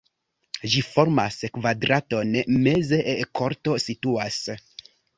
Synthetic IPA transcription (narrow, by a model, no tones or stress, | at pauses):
ʒifo̞ɾma̰skvadɾato̞nme̞zeʔkʰo̞ɾto̞situas